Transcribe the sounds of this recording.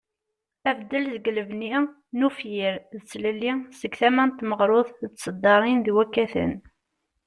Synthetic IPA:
ævd̪ːəlzəɡləvni | nufjiɾðət͡sːləlːisəɡθæmænt̪məʁɾˤʊðˤθət͡s̪ːsˤəd̪ˤːɑɾˤinðwækːæθə̰n

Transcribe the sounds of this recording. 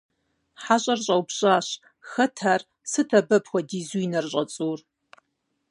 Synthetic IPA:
ħaɕʼɐrɕʼɐwbɕʼaːɕ | xɐtʰaːr | sɨtʰɐbɐpxʷɔdiːzujnɐrɕʼɐt͡sʼuːr

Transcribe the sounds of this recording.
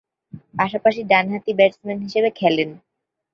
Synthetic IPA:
paʃapaʃiɖanɦat̪ibɛʈsmenʈɦiʃebekʰɛlen

